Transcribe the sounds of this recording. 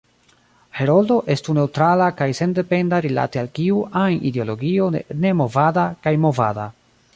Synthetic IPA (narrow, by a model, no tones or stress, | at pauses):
he̞ɾo̞ldo̞ʔe̞stune̞wtɾalakajse̞nde̞pe̞ndaɾila̰tealkiuʔanideo̞lo̞ɡio̞ne̞mo̞vadakajmo̞va̰da̰